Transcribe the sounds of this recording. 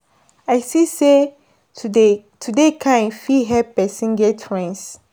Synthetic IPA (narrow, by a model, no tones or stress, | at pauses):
ajsise | tʰudekʰãfiɦɛpɛsĩnɡɛtʰɹɛ̃ns